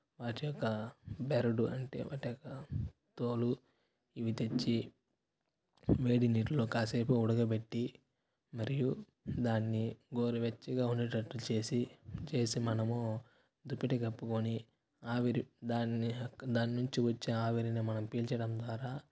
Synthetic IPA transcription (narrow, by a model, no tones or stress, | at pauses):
ʋaːʈijɔkːɐbeɾɐɖuɐɳʈe̞̰ːʋa̰ːʈijɔkːɐt̪oːlu | iʋit̪e̞t͡ʃːi | ʋe̞ːɽiniʈlo̞ːkaːseːpuuɽɐɡɐpe̞ʈːi | mɐɾiju | d̪aːnːiɡoːɾiʋet͡ʃːiɡaːunːiʈɐʈːut͡ʃe̞ːsit͡ʃe̞ːsimɐnɐmu | d̪upːiʈeɡɐpːukoni | aːʋiɾid̪aːnid̪aːninuɲt͡ʃiʋɐt͡ʃːinɐaːʋɐɾinɐmɐnɐmpiːlt͡ʃɐɽɐmd̪ʋaːɾaː